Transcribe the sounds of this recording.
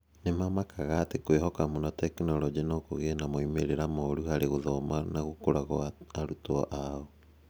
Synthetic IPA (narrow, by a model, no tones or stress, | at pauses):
nemamakʰaɣaːtekweɦɔkamonɔtɛkinɔlɔd͡ʒinokoɣenamoimeɾeɾamoɾuhaɾeɣoðɔmanaɣokoɾaɣɔaɾutɔʔaɔ